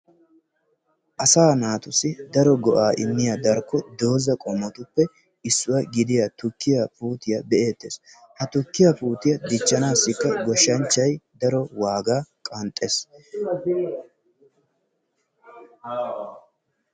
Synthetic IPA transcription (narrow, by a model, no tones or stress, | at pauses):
ʔɐsaːnaːt̪ʊsɪd̪ɐɾɔɡɔʔaːʔɪmːɪjad̪ɐɾkːɔd̪o̞ːzɐkʼɔmːɔt̪ʊpːɛ | ɪsːʊwɐɡɪd̪ɪjɐt̪ʊkːɪjɐpuːt̪ɪjɐbɛʔe̞ːt̪ːeːs | hɐt̪ʊkːɪjɐpuːt̪ɪjɐd̪ɪt͡ʃːɐnaːsːɪkːɐɡɔʃːɐnt͡ʃːɐjd̪ɐɾɔwaːɡaːkʼɐnt̪ʼːeːs